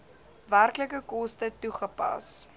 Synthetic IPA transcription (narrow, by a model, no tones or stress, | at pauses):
værkləkəkɔstətuχəpɐ̰s